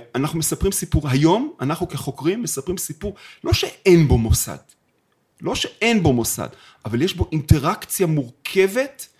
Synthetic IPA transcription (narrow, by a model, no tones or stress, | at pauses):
anaχnumesapʁimsipuʁɦajo̞manaχnukeχo̞kʁimːesapʁimsipuʁlo̞ʃeenbo̞mosa̰d̪̥ | lo̞ʃe̞ʔe̞nbo̞mo̞sa̰d̪ | avaljeʃbo̞ʔinte̞ʁakt͡sjamuʁkʰe̞ve̞t